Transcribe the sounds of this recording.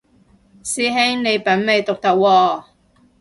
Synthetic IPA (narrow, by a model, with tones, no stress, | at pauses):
siː˧ɦe˥ŋne˨˧jpɐ˨˥nme˨˧jt̪ʊ˨k̚t̪ɐ˨k̚wɔː˧